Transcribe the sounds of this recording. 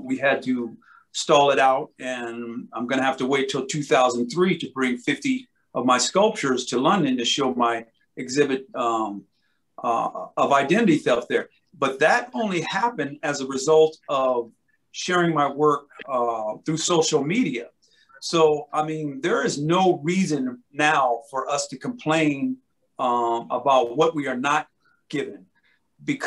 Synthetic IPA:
wiɨd̚tʰɨ | stɔlˠəɾaʊɾɨ̃nãɪ̃mɡʌñɨhæftəweɪtʰəl̩ˠtʰʉθaʊzə̃n̩θɹiɾɨbɹɪ̃ŋfɪfti | ʔʌvmaɪskʌlˠp̚t͡ʃə˞z̥tʰɨlʌ̃ndɨ̃ntɨʃoʊmaɪ | ɨɡzɪbɨɾ | ʌvaɪdɛ̃ɾ̃ɨɾiθɛf̚ðə˞ | b̥ʌt̪̚ðɨɾõʊ̃nlihæpɨ̃ndɨzəɹɨzʌlˠtʌv̥ | ʃɛɹɪ̃ŋmaɪwɜ˞k̚θɹʉsoʊʃl̩ˠmiɾiɨ | soʊaɪmĩnðə˞ɪznoʊɹizɨ̃nːaʊfə˞ʔʌstʰɨkʰə̃m̩pʰl̥ẽɪ̃n | əbaʊt̚wʌt̚wiə˞nət̚ | ɡ̥ɪvɨ̃n | bɨkʰ

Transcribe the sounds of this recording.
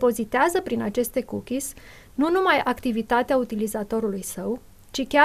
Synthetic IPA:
po̞zit̪eazəpɾinat͡ʃe̞st̪e̞kukʲisʲ | nunumajakt̪ivit̪at̪eaut̪ilizat̪o̞ɾulujsəw | t͡ʃikʲa

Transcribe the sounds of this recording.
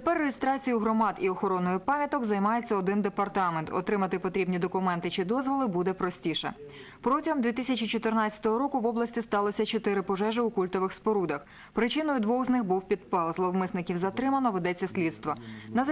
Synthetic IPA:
t̪epɛrːeɦist̪ɾɑt͡sʲijʊɦɾɔmɑd̪iɔxɔɾɔnːɔjʊpɑmʲjɐt̪ɔɡzɐjmɑjet͡sʲːɐɔd̪ɪnd̪epɐrt̪ɑment̪ɔ̰t̪ɾɪmɐt̪ɪpɔt̪ɾʲibnʲid̪ɔkʊmɛnt̪ɪt͡ʃɪd̪ɔzʋɔlˠɪbud̪ɛpɾɔsʲtʲiʃɛ̰ | pɾɔtʲiɦɔmd̪ʋʲit̪ɪsʲɐt͡ʃit͡ʃɔt̪ɪrnɑt͡sʲɐ̥t̪ɔɦɔɾɔkʊʋɔblˠɐsʲtʲist̪ɑlˠɔsʲɐt͡ʃɔt̪ɪɾɪpɔʒɛʒɪukulʲt̪ɔʋɪxspɔɾud̪ɐx | pɾɪt͡ʃɪnɔjʊd̪ʋɔwznɪxbuwpʲid̪̚pɛlˠzlˠɔʋmɪsnɪkʲiwzɐt̪ɾɪmɐnɔʋed̪ɛt͡sʲːɐsʲlʲit̪st̪ʋɔnɐz

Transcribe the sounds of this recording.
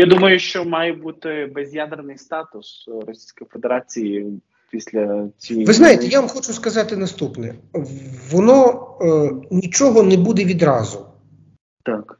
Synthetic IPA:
jad̪umɐjʊʃt͡ʃɔmɑjɛbut̪ɪbɛzʲjad̪ernɪjst̪ɑt̪ʊsrɔsʲi̥jsʲkɔjifed̪eɾɑt͡sʲiji | pʲisʲlʲɐt͡sʲiʋɪznɑjɪt̪ɛjaʋɐmxɔt͡ʃʊskɐzɑt̪ɪnɐst̪upnɛ | ʋɔnɔ | nʲit͡ʃɔɦɔnɛbud̪ɛʋʲid̪ɾɑzʊ | t̪ɑk

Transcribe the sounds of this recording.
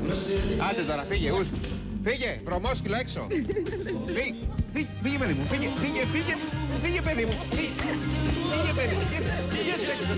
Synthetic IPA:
ɐt̪et̪ɐɾɐfiʝeus | fiʝevɾomoscilɐekso̰ | fifiʝfiʝepeðimufiʝefiʝefiʝefiʝepeðimufi | fiʝepeðimujesiʝesek

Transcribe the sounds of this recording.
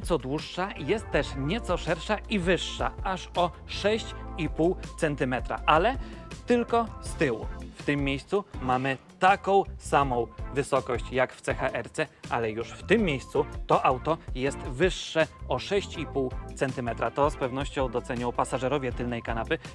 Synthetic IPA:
t̪sɔd̪wuʂːajɛst̪tːɛʂɲɛt̪sɔʂɛɾʂaivɘʂːa̰aʂɔ | ʂɛɕt͡ɕipuwt̪sɛnt̪ɘmɛt̪ɾa̰ʔalɛt̪ɘlkɔst̪ɘwṵft̪ɘmːjejst̪sumamɘt̪akɔ̃w̃samɔ̃w̃vɘsɔkɔɕt͡ɕjakft̪sɛxaʔɛɾt̪sɛa̰lɛjuʂft̪ɘmːʲjejst̪sut̪ɔʔawt̪ɔjɛst̪vɘʂːɛɔʂɛɕt͡ɕipuwt̪sɛnt̪ɘmɛt̪ɾat̪ɔspɛvnɔɕt͡ɕɔ̃w̃d̪ɔt̪sɛɲɔ̃wpasaʐɛɾɔvʲjɛt̪ɘlnɛjkanapɘ

